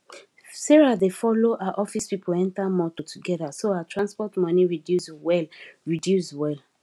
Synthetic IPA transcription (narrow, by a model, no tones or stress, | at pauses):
sɛɹadefɔloʔaaʔɔfispipoɛ̃ntamɔtotʰuɡɛðasoaatʰɹãnspɔtmɔ̃niɹidjuswɛlɹidjuswɛl